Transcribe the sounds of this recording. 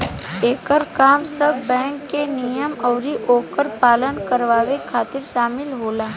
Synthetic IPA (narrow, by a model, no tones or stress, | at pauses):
eːkəɾkaːmsəbːɛ̃ːŋkːenijəmɔʊɾiʔoːkəɾpaːlənkəɾʋaːʋekʰaːt̪ɪɾʃaːmɪlɦoːlaː